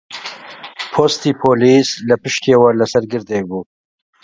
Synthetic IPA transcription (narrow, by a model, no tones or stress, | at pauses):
pʰoːst̪iːpʰoːlislɐpɨʃt̪eːwɐlɐsɐɾɡɨɾd̪eːbuː